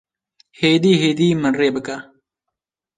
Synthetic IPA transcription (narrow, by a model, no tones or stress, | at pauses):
heːd̪iːɦeːd̪iːmɐnɾeːbəkaː